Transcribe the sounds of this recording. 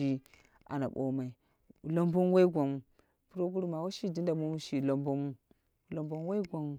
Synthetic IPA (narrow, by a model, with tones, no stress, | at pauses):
i˦ | a̰˨na̰˨ɓo̰˨ma˨i˨ | lo˦mbo˦n˦wa˦i˦ɡʷa˨mu˨ | pu˦ɾo˦ɡu˦ɾu˦ma˨wa˦ʃi˦˨di˦nda˨mu˦mu˦ʃi˨lo˨mbo˦mu˦˨ | lo˨mbo˦m˦wa˦i˦ɡʷa˨mu˦